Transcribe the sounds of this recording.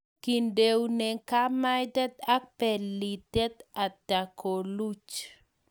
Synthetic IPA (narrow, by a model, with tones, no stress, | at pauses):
ki˨nde˨wnɛ˨ka˦ma˦jt̪ɛ˦t̪a˦k̚pɛ˨li˨t̪ɛ˦t̪a˨da˨kʰo˨lu˦t͡ʃ